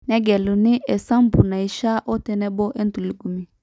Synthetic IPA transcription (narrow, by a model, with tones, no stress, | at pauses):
nɛ˦ɡɛ˨lu˨nɪ̃˦ʔɛ˨sã˦m̩˦bu˨na˨i˨˦ʃa˦ʔɔ˦tɛ˦nɛ˦bɔ˦ʔɛ˦n̩˦tu˨lu˨ɡu˨mi˨